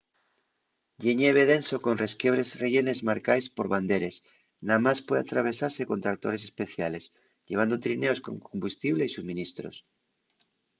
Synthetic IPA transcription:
ʎeɲeβeðe̞nsoko̞nre̞skjeβɾe̞zreʝene̞zmaɾkajspoɾβand̪eɾe̞s | namaspweða̰t̪ɾaβ̞e̞saɾse̞kont̪ɾak̚t̪o̞̰ɾesespe̞θjale̞s | ʎe̞β̞and̪ot̪ɾineo̞sko̞̰ŋkombust̪iβleisuβmĩnist̪ɾo̰s

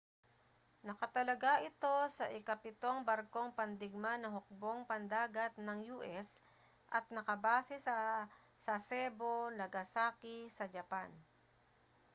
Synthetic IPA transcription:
nɐkɐt̪ɐlɐɡaʔɪt̪o̞sɐʔɪkɐpɪt̪o̞ŋbɐɾko̞ŋpɐnd̪ɪɡ̚manɐɦʊk̚bo̞ŋpɐnd̪aːɡɐt̪̚nɐŋjuːʔɛs | ʔɐt̪̚nɐkɐbaːsɛsɐ | sɐsɛːbo̞nɐɡɐsaːkɪsɐd͡ʒɐpan

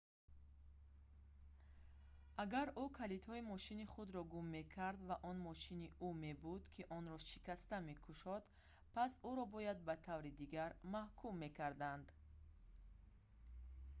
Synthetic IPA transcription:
ʔaɡaɾukʰalit̪hɔimɔʃiniχud̪ɾɔɡumːe̞kʰaɾd̪vaʔɔnmɔʃiniʔume̞bud̪kʰiʔɔnɾɔʃikast̪ame̞kʰuʃɔd̪ | pʰasuɾɔbɔjad̪̚bat̪ʰavɾid̪iɡaɾmahkʰumːe̞kʰaɾd̪and̪

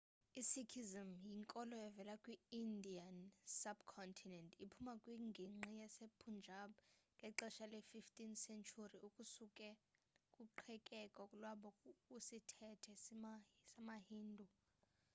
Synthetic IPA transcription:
isikʰizimjiŋkʼɔlɔɛvɛlakʼwiindʱiansabkʰɔntʰinɛntʰʼipʰumakʼwiŋɡʱiŋ͡ǁijasepʰund͡ʒʱaɓŋɡʱɛǃɛʃalɛfiftʼinsɛnt͡ʃʰʼuriʔukʼusukʼɛkʼuǃʰɛkʼɛkʼakʼulwaɓɔkʼusitʰɛtʰɛ | samahiːndʱu

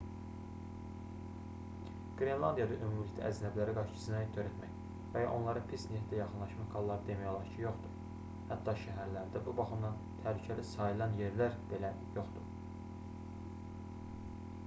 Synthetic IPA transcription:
ɡ̥ɾe̞nlˠɑnd̪ijɑd̪ɑʔømumlict̪æ̰ʔæznæblæɾiɡɑʃt͡ʃʰɯ̥sɯnɑt̪ʰøɾæt̪mæj | væjɑ̰ʔo̞nlˠɑɾɑpʰisnehd̪æjɑχɯnlˠɑʃmɑxkʰɑlˠːɑɾɯd̪e̞mæjo̞lˠɑɾt͡ʃʰijo̞χd̪u | hæt̪ʰːɑʃæɦæɾlæɾd̪æbubɑχɯmd̪ɑn | t̪ʰæhlycʰælisɑjɯlˠɑnje̞ɾlæɾb̥e̞læ | jo̞χd̪u

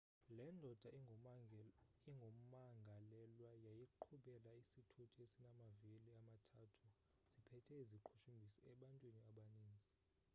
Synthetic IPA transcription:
lɛndʱɔd̥ʱa | iŋɡʱom̩maŋɡʱalɛlwajajiǃʰuɓɛlaisitʰutʰʼiesinamaviliamatʰaːtʰu | z̥ipʰɛtʰɛizikʰu̥tʰumbʱisiɛɓantʼwiniaɓaniːnd͡zʱi

